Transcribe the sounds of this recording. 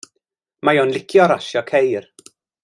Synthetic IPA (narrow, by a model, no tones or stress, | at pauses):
majonlɪkʰjɔɾaʃjɔkʰejr